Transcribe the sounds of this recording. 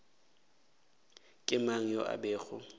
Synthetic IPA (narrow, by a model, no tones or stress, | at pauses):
kʼɪmaŋ̩jɔʔa̰bɛːɣʊ